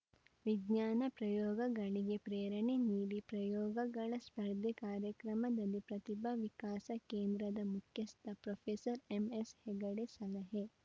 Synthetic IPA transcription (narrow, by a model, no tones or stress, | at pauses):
ʋiɡɲaːnɐpɾɐjɔːɡɐɡɐɭiɡepɾeːɾɐɳeniːɾipɾɐjɔːɡɐɡɐɭɐspɐɾd̪ʱekaːɾjɐkɾɐmɐd̪ɐlːipɾɐt̪ibʱɐʋikaːsɐkeːnd̪ɾɐd̪ɐmukʰjɐst̪ʰɐpɾoːpʰeːsɐɾemesheɡɐɽesɐlɐɦe